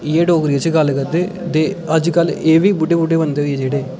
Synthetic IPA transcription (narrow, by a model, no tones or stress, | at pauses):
ɪjeːɖoːkɾiet͡ʃɡəlkəɾd̪eː | t̪eːəd͡ʒkəleːʋiːbʊɖeːbʊɖeːbənd̪eːɦʊied͡ʒeːɽeː